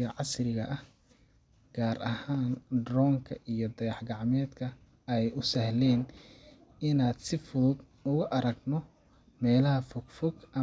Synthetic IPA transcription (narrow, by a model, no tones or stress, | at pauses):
ɐʕɑsrɪɣɐ̰ʔɐh | ɡ̥aːɾʔɐhaːnd̪rɔːŋkʰɐʔijɞd̪ɐjɑħɡɑʕmɛːd̪kʰɐ | ɛjʊsɐhlɛːn | ɪnaːd̪sɪfʊðʊd̪ | ʊɣʊʔɐɾɐɡnɔ | mɛːlɐɦɐfʊɡfʊɡʔɐ